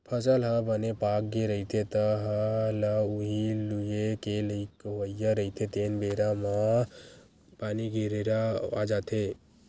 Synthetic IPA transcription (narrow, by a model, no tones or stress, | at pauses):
pʰəsəlɦə̃bənepak̚ɡeɾəɦit̪ʰet̪əɦə̃ləuɦilujekeləikʋəjjːaɾəɦit̪ʰet̪enbeɾama | paːniɡʱeɾeɾaa̰d͡ʒat̪ʰe